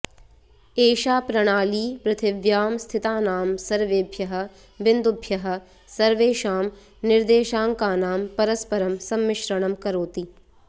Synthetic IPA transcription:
eːʃaːpɾɐɽ̃aːliːpɾɪt̪ʰɪʋjaːmst̪ʰɪt̪aːnaːmsɐɾʋeːbʱjɐɦɐ̆ | ʋɪnd̪ʊbʱjɐɦɐ̆ | sɐɾʋeːʃaːm | nɪɾd̪eːʃaːŋkaːnaːmpɐɾɐspɐɾɐmsɐmːɪʃɾɐɽ̃ɐmkɐɾoːt̪i

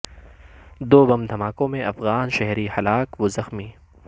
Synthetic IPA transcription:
d̪oːbɐmd̪ʱɐmaːkõmẽʔɐfɣaːnʃɛɦɾihɐlaːkʋoːzɐxmiː

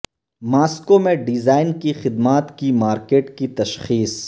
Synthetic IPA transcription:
maːskomẽɖɪzaːɪnkixɪd̪maːt̪kimaːɾkeːʈkit̪ɐʃxiːs

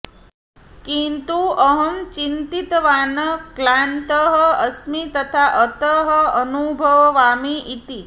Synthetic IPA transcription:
kint̪uəɦəmt͡ʃint̪it̪ʋaːnəklant̪əɦəəsmit̪ɐt̪ʰaʔət̪əɦəənubʱəʋʋaːmiʔit̪i

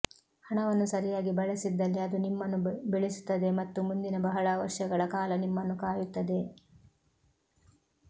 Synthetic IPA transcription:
hɐɳɐʋɐnːusɐɾijaːɡibɐɭɐsid̪ːɐlːiɐd̪unimːɐnːubeɭesu̥t̪ːɐd̪e̞mɐt̪ːumund̪inɐbɐɦɐɭɐːʋɐʂjɐɡɐɭɐkaːlɐnimːɐnːukaːjut̪ːɐd̪e̞

